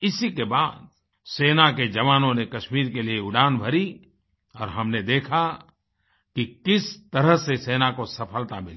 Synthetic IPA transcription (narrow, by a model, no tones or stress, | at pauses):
ɪsikebaːd̪̚ | seːnaked͡ʒɐʋaːnõnekɐʃmiːɾk̬elieʊɖaːnbʱɐɾi | ɔːɾɦɐmned̪eːkʰa | kikɪst̪ɐɾəɦseseːnakosɐpʰəlt̪amɪlː